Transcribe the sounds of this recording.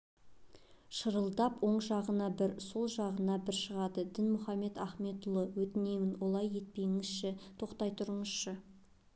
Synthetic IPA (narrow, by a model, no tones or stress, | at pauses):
ʃəɾəlˠd̪ɑpwo̞ɴʒɑʁənɑbɪɾso̞lˠʒɑʁənɑbɪɾʃəʁɑd̪əd̪ɪnmʊχɑmːe̞t̪æχme̞t̪ʊlˠəwɵt̪ɪne̞mɪnwo̞lˠɑje̞t̪̚pe̞jŋɪzʃɪt̪ʰo̞qt̪ɑjt̪ʰʊɾəɴəz̥ʃə